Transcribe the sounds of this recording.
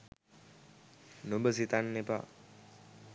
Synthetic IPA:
nobəsit̪anːepa̰

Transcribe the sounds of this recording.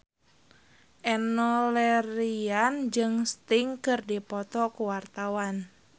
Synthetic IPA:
ʔɛnɔlɛɾiand͡ʒɨŋst̪iŋkɨrdipɔt̪ɔkuwart̪awan

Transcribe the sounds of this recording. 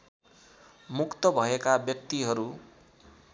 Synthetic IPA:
mukt̪ʌbʱʌekabjʌk̚t̪iɦʌɾu

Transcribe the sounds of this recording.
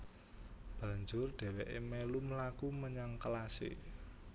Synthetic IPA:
b̥ä̤ɲd͡ʒʊrɖ̪̥ɛ̤weʔḛmeluməlakuməɲaŋkəlasɪ̰

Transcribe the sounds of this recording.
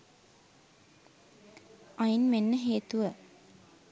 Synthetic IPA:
ajinmenːəɦeːt̪uʋə

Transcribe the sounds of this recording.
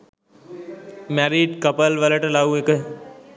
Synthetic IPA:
mɛːɾiːɖkəpəlʋələʈlaːuek

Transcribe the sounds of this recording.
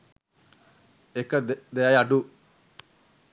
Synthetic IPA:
ekːɐd̪eajaɖu

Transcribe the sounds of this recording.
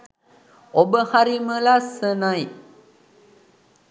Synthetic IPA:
obəhaɾiməlasənaj

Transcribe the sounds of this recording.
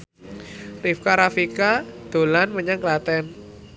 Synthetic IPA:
rifkaɾafikad̪̥o̤lanməɲaŋklat̪ɛn

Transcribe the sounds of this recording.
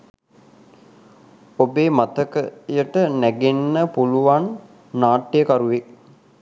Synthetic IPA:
obeːmat̪əkəjəʈənæɡenːəpuluʋanː | aːʈːejəkaɾuʋe

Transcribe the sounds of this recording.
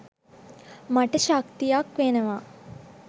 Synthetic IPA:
maʈəʃakt̪ijakʋenəʋaː

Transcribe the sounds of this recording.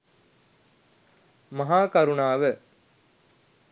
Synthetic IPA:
mɐɦaːkaɾunaːʋə

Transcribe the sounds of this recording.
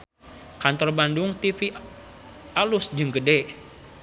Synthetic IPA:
kant̪ɔrbandʊŋt̪ifi | alusd͡ʒɨŋɡədɛ

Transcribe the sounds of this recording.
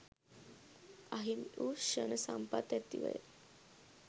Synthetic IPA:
aɦimuːɕənəsampat̪at̪ːḭʋə̰j

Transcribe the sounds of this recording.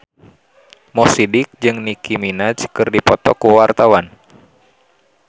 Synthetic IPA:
mɔsidik̚d͡ʒɨŋnikiminat͡ʃkɨrdipɔt̪ɔkuwart̪awan

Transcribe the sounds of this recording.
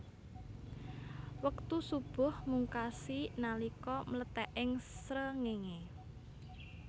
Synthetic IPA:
wəkt̪usub̥ʊ̤hmuŋkasinalikɔmələt̪ɛʔɪŋsɾəŋeŋe

